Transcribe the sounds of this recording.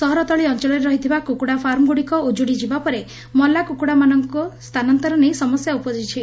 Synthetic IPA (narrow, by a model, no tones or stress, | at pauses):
sɔɦɔɾɔt̪ɔɭiɔnt͡ʃɔɭɔɾeɾɔɦit̪ʰibakukuɽapʰaɾmɔɡuɽikɔud͡ʒuɽid͡ʒibapɔɾe | mɔlːakukuɽamanɔŋkɔst̪ʰanɔnt̪ɔɾɔnejsɔmɔsjaupɔd͡ʒit͡ʃʰi